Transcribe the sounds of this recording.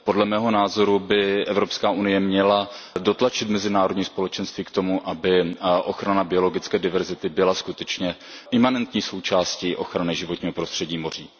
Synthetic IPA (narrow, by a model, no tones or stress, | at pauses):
podlɛmɛːɦo̞naːzo̞ɾubɪʔɛvɾo̞pskaːʔunɪjɛmɲɛlado̞t̪lat͡ʃɪt̪mɛzɪnaːɾodɲiːspo̞lɛt͡ʃɛnst̪viːkt̪o̞muʔabɪʔo̞xɾanabɪo̞lo̞ɡɪt͡skɛːdɪvɛɾzɪt̪ɪbɪlaskut̪ɛt͡ʃɲɛʔɪmanɛnt̪ɲiːso̞wt͡ʃaːsciːʔo̞xɾanɪʒɪvo̞t̪ɲiːɦo̞pɾost̪r̥ɛɟiːmo̞r̝iː